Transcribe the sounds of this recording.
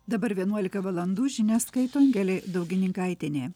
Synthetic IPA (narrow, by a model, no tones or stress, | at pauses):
d̪ɐbɐɾʋʲiɛnuɔlʲɪkɐʋɐlˠɐnd̪uːʒʲɪnʲæːskɐɪt̪oːɐŋʲɡʲɛælʲeːd̪ɐʊɡʲɪnʲɪŋkɐˑɪt̪ʲɪnʲeː